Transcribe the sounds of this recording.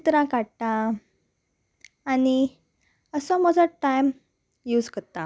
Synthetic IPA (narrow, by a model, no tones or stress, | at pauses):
t̪ɾãkaɽʈa | ni | əsɔməd͡zaʈːajm | juːd͡zkət̪a